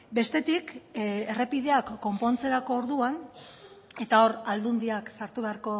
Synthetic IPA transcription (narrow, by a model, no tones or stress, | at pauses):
be̞st̪e̞t̪ikere̞pið̞e̞akːo̞mpo̞nt͡se̞ɾako̞ːɾðuan | e̞t̪ao̞ɾald̪und̪iaksaɾt̪uβe̞aɾko̞